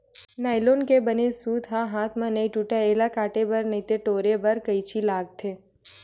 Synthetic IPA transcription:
najlonkebənesud̪ɦaɦat̪ʰmãnəiʈuʈaelakaːʈebəɾnəit̪eʈoːɾebəɾkəjt͡ʃʰilaːɡ̚t̪ʰe

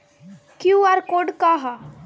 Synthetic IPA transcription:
kjũaɾkoɖkaɦa

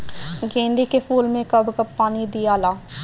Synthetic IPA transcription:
ɡẽːnd̪iːkepʰuːlmẽːkəbkəbpːaːniːd̪iːaːlaː

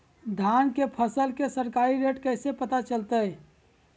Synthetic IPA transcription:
d̪ʱankepʰəsəlkesəɾkaɾiɾeʈkəɪsepət̪at͡ʃəlt̪əj

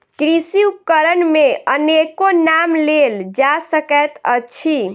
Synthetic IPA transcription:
kɾisiukːəɾənmeənekonamleld͡ʒasəkət̪ə̰t͡ʃʰi

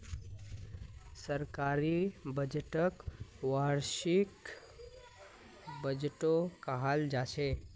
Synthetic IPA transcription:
səɾkaɾibəd͡ʒʈəkwaɾʃik | bəd͡ʒʈokaɦald͡ʒat͡ʃʰe

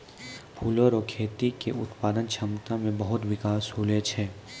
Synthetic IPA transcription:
pʰuːloɾɔːkʰeːt̪ikḛʊt̪paːd̪ənt͡ʃʰɐmt̪ãmẽbɐɦʊt̪ʋɪkaːsɦoːlet͡ʃʰeː

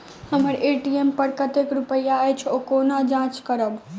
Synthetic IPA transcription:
həməɾeʈiempəɽkət̪ekɾupəjːaejt͡ʃʰokoːnad͡ʒãːt͡ʃkəɾəb

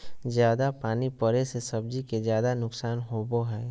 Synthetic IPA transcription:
zjaːd̪apaːnipəɾesesɐb̚d͡ʒikezjaːd̪anʊksaːnɦoːboɦɛː

